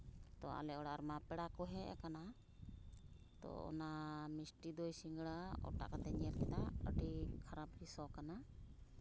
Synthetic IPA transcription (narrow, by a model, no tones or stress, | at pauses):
t̪ɔa̰lɛɔɽaaɾmapɛɽakɔɦɛ̃ʔɛ̰kana | t̪ɔ̰ɔ̰namisʈid̪ɔjsiŋɡɽaɔ̰ʈa̰ʔkat̪ɛɲɛlkɛd̪aə̰ɖikʰaɾabhisɔkana